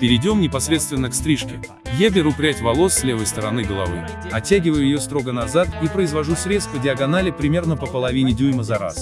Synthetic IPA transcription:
pʲɪɾʲɪdʲo̞mnʲɪpɐsɾʲet̪st̪vʲɪnːəkst̪ɾʲiʂkʲɪ | jabʲɪɾupɾʲatʲvɐlˠo̞sːlʲevəjst̪əɾɐnɨɡəlˠɐ̰vɨ̰j | ɐtʲːaɡʲɪvəjʊjɪjo̞st̪ɾo̞ɡənɐzat̪ipɾəɪzvɐʐusɾʲe̞tst̪pədʲɪɐɡɐnalʲɪpɾʲɪmʲe̞rnəpəpəlˠɐvʲinʲɪdʲujməzɐɾa̰s

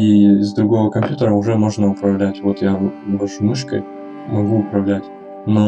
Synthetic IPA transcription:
izd̪ɾʊɡo̞vəkɐmʲpʲjut̪əɾəʊʐɛmo̞ʐnəʊpɾɐvlʲætʲvot̪jabɐʂʊmɨʂkə̰j | mɐɡuʊpɾɐvlʲætʲ | no

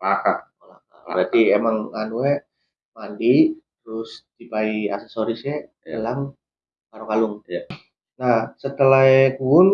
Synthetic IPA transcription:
pakaola | aa̰ɾat̪iemaŋanuɛ | mandit̪əɾʊsdipaia̰sesoɾisɛ | elaŋ | paɾoŋkalʊŋ | nahsət̪əlaejkuʊn

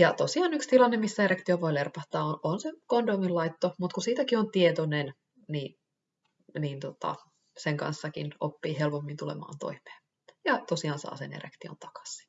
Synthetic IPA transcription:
jɑt̪osiɑːnykst̪ilɑnːemisːæeɾekt̪ioʋoilerpɑht̪ɑːoʔonsekondoːmillɑit̪ːomut̪kusiːt̪ækiont̪iet̪onen | ni | nint̪ot̪ɑ̰ | seŋkɑ̰nsːɑkḭno̰pːiːhelpomːint̪ulḛmɑ̰ːnt̪o̰imˑe̥ːn | jɑt̪osiɑːnsɑ̰ːsḛnḛɾḛkt̪io̰nt̪ɑ̥kɑ̥si̥

